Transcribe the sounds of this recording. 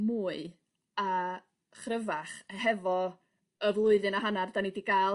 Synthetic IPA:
muːɨ | a | χrəvaχhɛvɔ | əvlˠʊɨðɨnaɦanardanidiɡaːl

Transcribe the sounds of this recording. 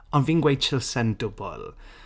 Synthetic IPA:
ɔnviːnɡwejt͡ʃʰɪlˠsɛndʊbɔ̰lˠ

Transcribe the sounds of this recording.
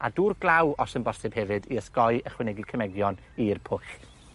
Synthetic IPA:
a̰duːrɡlˠawɔsənbɔsɨb̥hɛvɨdiəskɔɨəχwɪnɛɡikʰəmɛɡjɔn | irpʰʊχ

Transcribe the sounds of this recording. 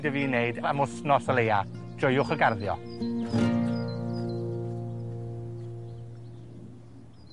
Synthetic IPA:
dəviːneɨdaamʊsnɔsəleja | d̥rʊjʊχəɡarðjɔ̰

